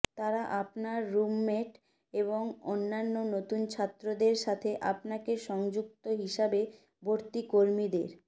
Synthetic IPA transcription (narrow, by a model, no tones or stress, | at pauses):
t̪aɾaʔapnaɾːumːeʈ | eβboŋo̰nːanːonot̪unt͡ɕʰat̪ːɾod̪eɾʃat̪ʰeʔapnakeʃɔŋd͡ʑuk̚t̪oɦiʃabe | bʱoɾt̪ikoɾmid̪eɾ